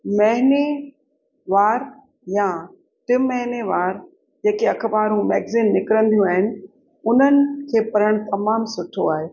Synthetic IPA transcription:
mɛɦɪne | ʋaːɾ | jã | ʈɪmːɛɦɪneʋaːɾ | d͡ʑeːkeɐkʰəbaːɾũmɛːɡziːnːɪkɾə̃nd̪ijũaːɦɪnɪ̆ | ʊn̤ənɪ̆kʰeːpɐɾəɽ̃t̪ɐmaːmsʊʈʰoaːɦeː

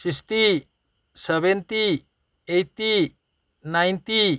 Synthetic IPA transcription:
sist̪i | sɛβɛnt̪i | ejt̪i | najnt̪i

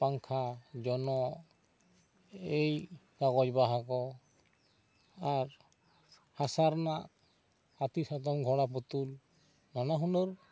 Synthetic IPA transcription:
paŋkʰad͡ʒɔnɔ | ej | kaɡɔd͡ʒbaɦakɔ | aɾ | hasaɾnaʔ | at̪isat̪̬ɔmɡʱɔɽap̬ɔt̪ul | nanaɦunɔɾ

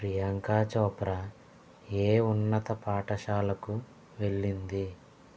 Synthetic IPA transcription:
pɾijaŋkaːt͡ʃɔːpɾɐ | eːunːɐt̪ɐpaːʈɐʃaːlɐku | ʋe̞ɭːind̪i

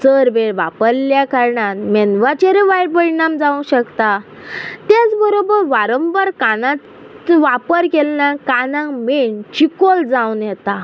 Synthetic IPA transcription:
t͡səɾbeɾʋapəɾljakaɾɳanmɛnʋat͡ɕeɾiʋajɾpəɽnamd͡zaũɕəkt̪a | t̪at͡sbəɾobəɾʋaɾəmbəɾkanã | ʋapəɾkelnakanãŋment͡ɕikold͡zãwnjɛt̪a

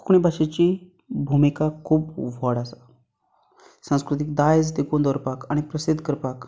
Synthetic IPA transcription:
kɳ̃ibʱaɕet͡ɕi | bʱumikakʰuːpʋɔɽasa | sãw̃skɾut̪ik̚d̪ajd͡zd̪ekund̪ɔɾpakaɽ̃ipɾəsid̪ʱkəɾpak

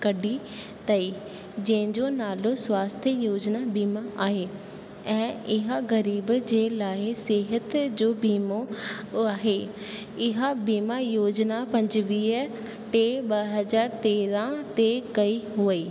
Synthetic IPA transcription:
kəɖiː | t̪əiː | d͡ʒẽːd͡ʒõːnaːlõːswaːst̪ʰjəjoːd͡ʒnaːbiːmaːʔaːɦeː | ɛ̃ːɪɦãːɡəɾiːbd͡ʒeːlaːiseːɦət̪d͡ʒoːbiːmoː | aːɦeː | ɪɦãbiːmaːjoːd͡ʒnaːpəɲd͡ʒʋiː | ʈeːbəɦəzaːɾt̪eːɾãːt̪eːkəiːɦʊiː

